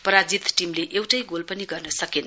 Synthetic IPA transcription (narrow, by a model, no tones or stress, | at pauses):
pɐɾad͡ʒit̪timleʔewʈɐjɡolpɐniɡɐɾnɐsɐken